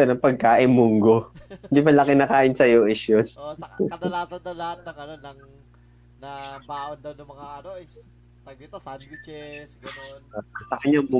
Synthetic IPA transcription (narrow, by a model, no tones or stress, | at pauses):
ɛnɐpɐɡ̚kaːʔɪnmʊŋɡoɪnd̪ipɐlakɪnɐkaːʔɪnsɐjoʔɪʃjonoɐd̪lat̪ɐd̪ɐwlɐhat̪̚nɐŋɐnonːɐŋ | nɐbaːʔond̪ɐwnɐmɐŋaʔɐno | tɐit̪at͡ʃɛs | sɐkɐɲamʊ